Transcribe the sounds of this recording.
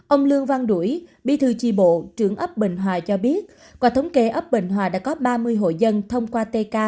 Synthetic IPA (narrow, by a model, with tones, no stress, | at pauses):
ʔə˧wŋ͡mlɨ˧əŋva˧ŋɗu˧˩jɓḭ˧˨t̪ʰɨ˨˩t͡ɕḭ˧˩ɓo̰˧˨t͡ɕɨ˧˩əŋʔə˦˥p̚ɓḭ̈˧˨ŋ̟ɦwaː˨˩t͡ɕɔ˧ɓi˦˥ət̚ | kwaː˨˩t̪ʰə˨˦wŋ͡mke˧˩ʔə˦˥p̚ɓḭ̈˧˨ŋ̟ɦwaː˨˩ɗa̰ː˧˥kɔ˨˦ɓaː˧mɨ˧əjɦo̰˧˨jzə˧nt̪ʰə˧wŋ͡mkwaː˧t̪e˧kaː˧